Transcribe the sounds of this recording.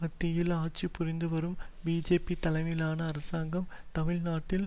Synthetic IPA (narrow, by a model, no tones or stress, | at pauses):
ɐt̪ːɪjɪlaːt͡ʃipːʊrɪnd̪ɯʋɐɾɯmbiːd͡ʒeːpit̪ɐlɐɪmɪlaːnɐːɾɐsaːŋɡɐmt̪ɐmɪɭnaːʈːɪl